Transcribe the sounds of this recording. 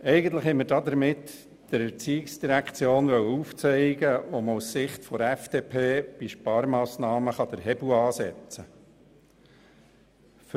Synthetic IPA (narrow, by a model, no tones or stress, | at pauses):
ɛɪɡən̩t̪ləχhɛməɾdɑːd̪əɾmɪt̪ | d̥əɾɛɾt͡siːɪksd̥iɾækt͡sjoːnʋœwəuft͡sɛɪɡəʋoməussɪχt̪fɔɾæfd̥eːpʰeːb̥iʃpɑːɾmɑːsnɑːməχɑd̥̪əɾɦɛb̥uɑːsɛt͡sə | f